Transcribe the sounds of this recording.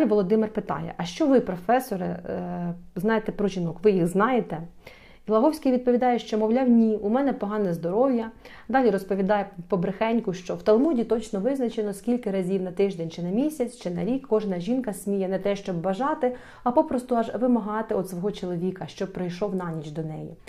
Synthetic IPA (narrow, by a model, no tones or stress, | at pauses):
d̪lʲiʋɔlˠɔd̪ɪmɪrpɪt̪ɑ̰jɛ̰ʔɐʃt͡ʃɔʋɪpɾɔfɛsɔɾɪ̰ | znɑjet̪ɛpɾɔʒʲinɔkʋɪjixznɑjet̪ɛ | ilˠɐɦɔwsʲkijʋʲid̪̚pɔʋʲid̪ɑjɛʃt͡ʃɔmɔwlʲawnʲiumɛnɛpɔɦɑnɛzd̪ɔɾɔwjɐ | d̪ɑlʲiɾɔspɔʋʲid̪ɑjɛpɔbɾɪxɛnʲkʊʃt͡ʃɔwt̪ɐlˠmudʲit̪ɔt͡ʃnɔʋɪznɐt͡ʃenɔskʲilʲkɪɾɐzʲiwnɐt̪ɪʒd̪ɛnʲt͡ʃɪnɐmʲisʲɐt͡sʲt͡ʃɪnɐɾʲikʰːɔʒnɐʒʲinkɐsʲmʲijɛnɛt̪ɛʃt͡ʃɔbːɐʒɑt̪ɪ | ɐpɔpɾɔst̪ʊɑʒʋɪmɐɦɑt̪ɪɔd̪sʋɔɦɔt͡ʃɔlˠɔʋʲikɐʃt͡ʃɔpɾɔjʃɔwnɑnʲit͡ʃd̪ɔnɛ̰jḭ